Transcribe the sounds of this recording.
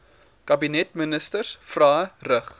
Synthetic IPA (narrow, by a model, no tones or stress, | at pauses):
kɐbinɛtmənəstərsfrɑːrəχ